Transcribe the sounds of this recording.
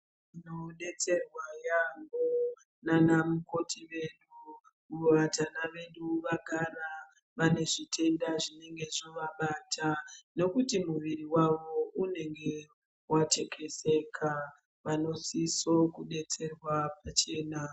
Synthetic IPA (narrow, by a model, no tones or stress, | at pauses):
ino̞ɗe̞t͡se̞rwajambo | nanamuko̞tʰiʋe̞ɗu | uʋatanaʋe̞ɗuʋaɡʱaɾa | ʋane̞ʐitʰe̞ndaʐine̞ŋɡe̞ʐoʋaɓatʰano̞kutimuʋiriwaʋo̞une̞ŋɡe̞ | wat͡ʃe̞kʰe̞se̞kʰa | ʋano̞siso̞kuɗe̞t͡se̞rwapat͡ʃe̞ːna